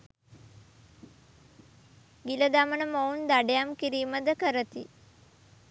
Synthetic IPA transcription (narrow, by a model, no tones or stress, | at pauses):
ɡiləd̪amənəmound̪aɖejamkiɾiːməd̪əkəɾət̪i